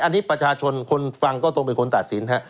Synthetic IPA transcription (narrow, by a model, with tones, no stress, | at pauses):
ʔa˧nːiː˦˥pɾa˧t͡ɕʰaː˧t͡ɕʰo˧nkʰo˧nfa˧ŋkɔː˥˩t̪ɔ˥˩ŋpe˧nkʰo˧nt̪a˨˩t̪̚si˩˦nɦa˦˥